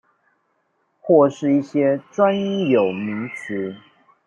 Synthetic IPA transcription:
xwɔ˥˧ʂɻ̩˥˧i˥˩ɕjɛ˥ʈ͡ʂwa˦˥ni˥˦jo˨˩ʊmi˧˥˦ʈ͡ʂ̩ʰ˨˥˦

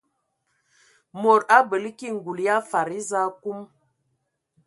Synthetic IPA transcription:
mo˨ɾa˦bə˨li˦ki˦ŋ̩˨ɡu˨lja˦fa˨ɾi˦za˦ku˦m

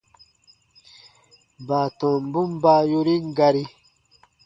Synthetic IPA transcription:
ba˨t̪ɔ̃˨mbu˦mba˦jo˦ɾi˦ŋ˦ɡa˧ɾi˦

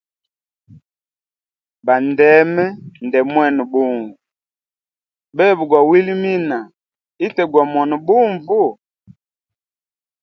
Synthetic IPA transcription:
ba˨ndɛ˨˦mɛ˦ndɛ˨mwɛ˦˨nɔ˨ɓu˦˨ɱvu˨ | bɛ˦˨bu˨ɡwa˨wi˦li˦mi˦na˨ | i˦tɛ˨ɡwa˨mwɔ˨nɔ˨ɓu˦ɱvu˦˨

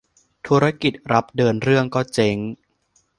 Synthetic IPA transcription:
t̪ʰu˦˥ɾa˦˥ki˨˩t̪̚ɾa˦˥p̚dɤː˧nɾɯ˥˩əŋkɔː˥˩t͡ɕe˧ŋ

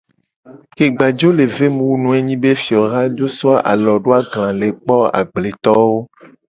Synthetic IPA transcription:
ke˨ɡ͡ba˨d͡ʒo˦le˨ve˦mũ˦wu˦nũ˦e˦ɲĩ˦be˦fi˨ɔ˨ɣa˦d͡ʒo˦sɔ˦a˦ʔa̰˨lɔ˨ɖo˦a˦ɡlã˨le˨k͡pɔ˦a̰˨ɡ͡ble˨t̪ɔ˦wo˦

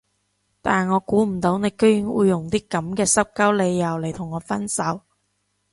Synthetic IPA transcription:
t̪aː˨˩nŋɔː˨˧kuː˨˥m̩˨˩t̪o˨˥wne˨˧jkɵ˥ɥjɪ˨˥ŋwṵ˨˧jːʊ˨˩ŋt̪iː˥kɐ˨˥mkɛː˧sɐ˥p̚kɐ˥wle˨˧jːɐ˨˩wle˨˩jt̪ʰʊ˨˩ŋːɔː˨˧fɐ˥nsɐ˨˥w

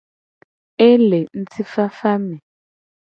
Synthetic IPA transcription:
ɛ˦lɛ˨n̩˦t͡sʰi˦fa˦fa˦mɛ˨

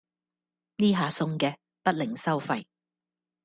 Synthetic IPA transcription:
niː˥ɦaː˨˧sʊ˧ŋkɛː˧ | pɐ˥t̚lɪ˨˩ŋsɐ˥wfɐ˧j

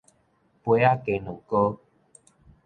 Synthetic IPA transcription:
pwe˨˦a˥˦˨ke˨˦nu˨˩ko˦

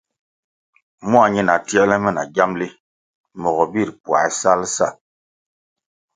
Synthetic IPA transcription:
mwa˨ɲi˦na˨ti˦ɛ˦lɛ˦mɛ˦˨na̰˨ɡa˦mli˦ | mɔ˨ɣɔ˨bi˦˨ɾpwa̰˨ɛ̰˨sa˦lsa˦˨

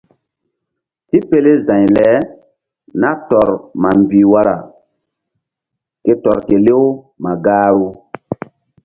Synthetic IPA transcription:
ti˦pe˦le˦zã˨jlɛ˨˦ | na˦tɔ˨ɾma˨mbi˨wa˦ɾa̰˨ | ke˦tɔ˨ɾke˨le˦w | ma˨ɡaː˦ɾu˦

